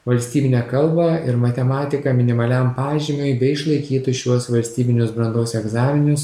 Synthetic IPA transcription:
ʋɐlʲsʲt̪ʲiːbʲɪnʲɛːkɐlˠbɐɪɾmɐt̪ʲɛmɑːt̪ʲɪkɐmʲɪnʲɪmɐlʲɛmpɑːʒʲɪmʲʊjbʲɛɪʃlˠɐɪkʲiːt̪ʊʃʲuɔsʋɐlʲsʲt̪ʲiːbʲɪnʲʊsbɾɐnd̪oːsɛɡzɑːmʲɪnʲʊs

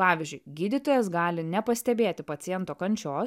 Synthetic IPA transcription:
pɑːʋʲiːzʲd͡ʒʲʊɪɡʲiːd̪ʲɪt̪oːjɛs̬ɡɑːlʲɪnʲɛpɐsʲt̪ʲɛbʲeːt̪ʲɪpɐt̪sʲɪjɛnt̪oːkɐnʲt͡ʃʲoːs

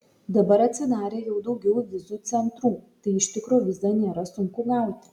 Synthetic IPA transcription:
d̪ɐbɐɾɐt̪ʲsʲɪd̪ɑːɾʲeːjɛʊd̪ɒʊɡʲɛʊʋʲɪzut̪sʲɛnt̪ɾuːt̪ɐɪɪʃʲt̪ʲɪkɾoːʋʲɪzd̪ɐnʲeːɾɐsʊŋkʊɡɑˑʊt̪ʲɪ̥

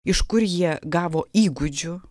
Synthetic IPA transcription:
ɪʃkʊɾjiɛɡɑːʋoːiːɡʊd͡ʒʲʊ

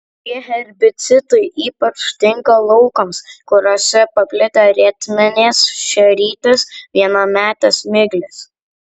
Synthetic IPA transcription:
t̪ʲiɛɦʲɛɾʲbʲɪt̪sʲɪt̪ɐɪʔiːpɐt͡ʃt̪ʲɪŋkɐlˠɔʊkɐmskʊɾoːsʲɛpɐpʲlʲɪt̪ɐɾʲɛt̪ʲmʲɛnʲeːsʃʲɛɾʲiːt̪ʲɪsʋʲiɛnɐmʲæːt̪ʲɐsmʲɪɡlʲɪs

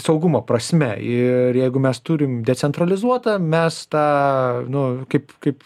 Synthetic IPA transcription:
sɐʊɡʊmoːpɾɐsʲmʲɛ̰ɪɾjɛɪɡʊmʲɛst̪uːɾʲɪmdʲɛt͡sʲsʲɛnt̪ɾɐlʲɪzuɔt̪ɐmʲɛst̪ɑːnʊkɐɪpkɐɪp

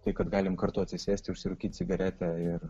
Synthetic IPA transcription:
t̪ɐɪkɐt̪ɡɑːlʲɪmkɐrt̪oːɐt̪sʲɪsʲæːsʲt̪ʲɪʊʃʲsʲɪɾʊːkʲiːt̪ʲt͡ssʲɪɡɐɾʲæːt̪ʲɛɪr

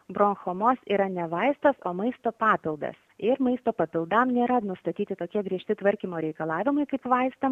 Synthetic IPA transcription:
bɾoːŋxoːmoːsiːɾɐnʲɛʋɐɪst̪ɐsoːmɐɪst̪oːpɑːpʲɪlˠd̪ɐ̰sɪɾmɐɪst̪oːpɐpʲɪlˠd̪ɐmnʲeːɾɐnʊst̪ɐt̪ʲiːt̪ʲɪt̪oːkʲiɛɡɾʲiɛʃʲt̪ʲɪt̪ʋɐɾʲkʲimoːɾʲɛɪkɐlˠɑːʋʲɪmɐɪkɐɪpʋɐɪst̪ɐm

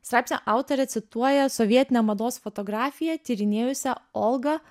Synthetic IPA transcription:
st̪ɾɑːpʲsnʲɛʔɑˑʊt̪ɔɾʲɛt̪sʲɪt̪uɔjɛsɔʋʲiɛt̪ʲɪnʲɛmɐd̪oːsfɔt̪ɔɡɾɑːfʲɪjɛt̪ʲiːɾʲɪnʲeːjʊsʲɛɔlˠɡɐ

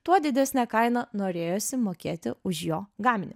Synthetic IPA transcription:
t̪uɔd̪ʲɪd̪ʲæsʲnʲɛkɐɪnɐnoːɾʲeːjoːsʲɪmoːkʲeːt̪ʲɪ̰ʊʃjoːɡɑːmʲɪnʲɪ

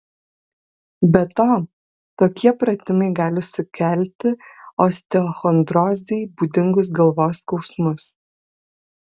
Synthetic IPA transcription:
bʲɛt̪oː | t̪oːkʲiɛpɾɐt̪ʲɪmɐɪɡɑːlʲɪsʊkʲɛlʲt̪ʲɪoːsʲt̪ʲɛɔxɔnd̪ɾoːzʲd̪ʲɛɪbuːd̪ʲɪŋɡʊsɡɐlˠʋoːskɒʊsmʊs

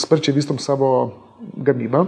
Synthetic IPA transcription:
spəɾt͡ʃjɛʋiːst̪ɔmsabɔ | ɡɐmiba

